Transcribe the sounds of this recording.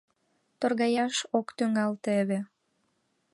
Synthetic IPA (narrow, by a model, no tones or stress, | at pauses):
t̪orɣɑjɑʃokt̪yŋɑlt̪eβĕ